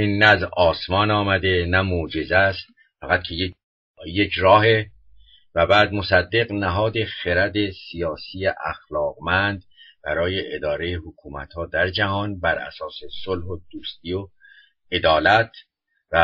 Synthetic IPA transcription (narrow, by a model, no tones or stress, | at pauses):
inːææzɒːsmɒːnɒːmæd̪e̞næmod͡ʒe̞zæst̪ | fæɣæt̪̚kʰeje | jecʰɾɒːɦe̞ | væbæːd̪mo̞sæd̪ːe̞ɣnæɦɒːd̪e̞xeɾæd̪e̞sijɒːsiːjeʔæxlɒːɣmænd̪b̥æɾɒːje̞ʔed̪ɒːɾe̞jehokʰuːmæ̰t̪hɒːd̪æɾd͡ʒæhɒːnbæɾæ̰sɒːsesolhod̪uːst̪iːo | e̞d̪ɒːlæt̪ʰ | væ